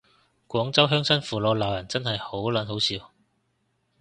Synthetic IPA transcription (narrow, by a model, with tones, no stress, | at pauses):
kʷɔː˨˥ŋt͡sɐ˥wɦœː˥ŋsɐ˥nfuː˨˩loː˨˧wlaː˨wjɐ˨˩nt͡sɐ˥nhɐ˨jho˨˥wlɐ˨˥nɦo˨˥wsiː˨˧w